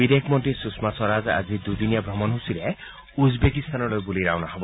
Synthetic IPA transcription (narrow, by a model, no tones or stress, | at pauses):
bid̪ekʰmɔntisusmasɔɾaza̰d͡ʒid̪ujd̪inijabɾɔmɔnɦusile | uzbekist̪anɔlojbuliɾawnaɦɔbɔ